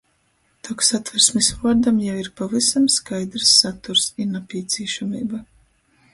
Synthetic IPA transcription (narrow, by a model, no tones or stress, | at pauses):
t̪ɔksat̪vaɾsmisɾuɔd̪amjawiɾpavisamskajd̪ɾsːat̪uɾsinapʲiɛt̪sʲiɛʃamiːba